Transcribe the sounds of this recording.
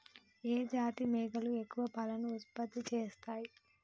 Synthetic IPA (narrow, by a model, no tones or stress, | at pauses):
eːd͡ʒaːt̪imeːɡɐlue̞kːuʋɐpɐlɐnuːt̪̚pɐt̪ːit͡ʃeːst̪aːji